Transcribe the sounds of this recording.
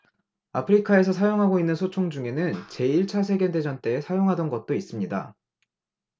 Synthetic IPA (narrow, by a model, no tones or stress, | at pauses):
apʰɯɾikʰae̞sʰʌsʰajoŋɦaɡoinːɯnsʰot͡ɕʰoŋd͡ʑuŋe̞nɯnt͡ɕe̞iɭt͡ɕʰas̬ʰe̞ɡende̞d͡ʑʌnt͈e̞ːsʰajoŋɦadʌnɡʌt̚t͈ois͈ɯmɲida̰